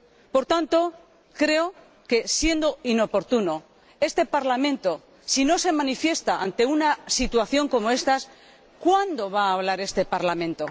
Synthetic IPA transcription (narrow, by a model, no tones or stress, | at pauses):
po̞ɾt̪ant̪o̞ | kɾe̞o | ke̞sje̞nd̪oino̞po̞ɾt̪uno̞ | e̞st̪e̞paɾlamẽ̞nt̪o̞ | sino̞se̞mãnifje̞st̪aʔa̰nt̪e̞unasit̪waθjo̞ŋko̞mo̞e̞st̪as | kwand̪o̞βaːβ̞laɾe̞st̪e̞paɾlamẽ̞nt̪o̞